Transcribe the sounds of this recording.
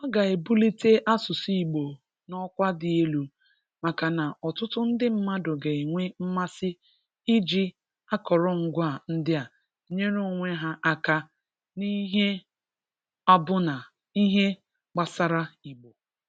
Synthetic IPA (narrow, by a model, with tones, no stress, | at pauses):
ɔ˦ɡa˨e˨bu˦li˦te˦ʔa˦sʊ˨si˦i˨ɡ͡bo˨ | nɔ˦kʷa˦dɪ˨e˦lu˨ | ma˨ka˨na˨ʔɔ˨tʊ˦tʊ˦n̩˦dɪ˦m̩˦ma˦dʊ˨ɡe˨ŋʷe˦m̩˦ma˦sɪ˦ | ɪ˦d͡ʒi˦ | a˦kɔ˨ɾɔ˦ŋ̩˦ɡʷa˦˨n̩˦dɪ˦a˨˦ | ɲe˦ɾo˦o˨ŋʷe˦ɦa˦ʔa˦ka˦ | ni˦ɦe˦ | a˦bʊ˦na˨ | i˦ɦe˦ | k͡pa˨sa˦ɾa˦i˨ɡ͡bo˨